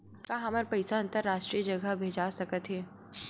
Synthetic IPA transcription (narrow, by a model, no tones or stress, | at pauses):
kaɦɐməɾpɐɪsaɐ̃nt̪əɾːaːʃʈɾiəd͡ʒɐɡəbʱeːd͡ʒasɐkət̪ɦɛː